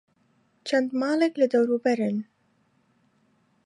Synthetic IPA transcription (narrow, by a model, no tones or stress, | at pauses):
t͡ʃʰɛnd̪mɑːlɛklɨd̪ɐwɾuːbɛɾɨn